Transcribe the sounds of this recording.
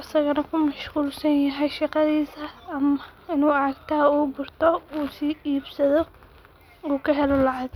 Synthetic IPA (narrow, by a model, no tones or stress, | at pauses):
ɐsɐɣɐnɐkʰʊmɐʃquːlsɐnjɐɦɛjʃɑqɑðiːsɐːmɐɪnuːɑʕɐɡt̪ʰɐɦuːbʊrt̪ʰɔuːsiːiːbsɐðɔ | uːkʰɐɦɛlɔlɑʕɑd̚